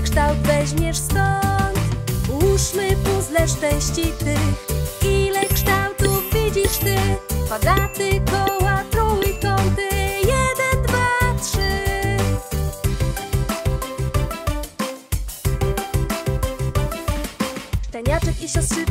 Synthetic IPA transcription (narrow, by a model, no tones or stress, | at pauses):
kʂt̪awd̪vɛʑmʲjɛʂsk̪ɔɲt͡ɕwuʂnɘpuzlɛʂt͡ʂɛw̃ɕt͡ɕit̪ɪxilɛkʂt̪awt̪uvvʲid͡ʑiʂt̪ɪpɔd̪at̪ɘkɔwat̪ɾɔwik̪ɔwt̪ɨjɛd̪ɛnd̪vatʂɨ | ʂt͡ʂɛɲat͡ʂɛkiɕɔst̪ʂɨ